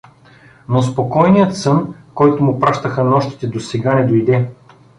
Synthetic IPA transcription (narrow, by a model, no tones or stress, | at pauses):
nospokɔjnijət̪sɤnkɔjt̪ʊmʊpɾaʃt̪əxənɔʃt̪i̥t̪ɛd̪osɛɡanɛd̪ojd̪ɛ